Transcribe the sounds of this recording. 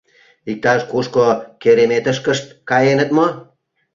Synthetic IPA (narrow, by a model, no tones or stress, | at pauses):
ik̚t̪ɑʃkuʃkokeɾemet̪əʃkəʃt̪̚kɑjenət̪mo